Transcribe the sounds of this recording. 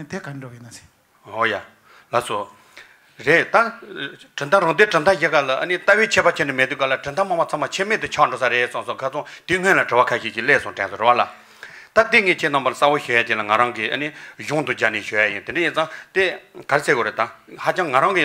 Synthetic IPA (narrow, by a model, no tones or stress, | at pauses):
t̪ekaɳɖ͡ʐojinae̥ | ɦoja | laso | reʔt̪aʈ͡ʂənt̪ʰaɾɑŋd̪eʈ͡ʂət̪ʰaʑekalaʔə̰nit̪aweːt͡ɕʰeːpat͡ɕʰenemet̪yːkalaʈ͡ʂənt̪ʰamaŋmat͡sʰmat͡ɕʰemet̪ut͡ɕʰɑɳɖ͡ʐosaɾesɑŋsoŋkʰat͡sʰoŋt̪iŋønlaʈ͡ʂewakʰaɕiːt͡ɕileːsoʈ͡ʂeːsoɹewala | t̪at̪iŋeːt͡ɕʰenɑpalasawoɕøjat͡ɕilaŋaɾɑŋkiʔə̰niʑoŋt̪ud͡ʑaniɕøjajint̪eɖ͡ʐejint͡sɑŋt̪ekaɾesekiɾet̪ahat͡ɕɑŋːaɾɑŋki